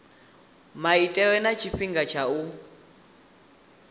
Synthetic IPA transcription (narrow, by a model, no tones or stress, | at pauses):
maitʼɛwɛnat͡ʃʰiɸiŋɡat͡ʃʰau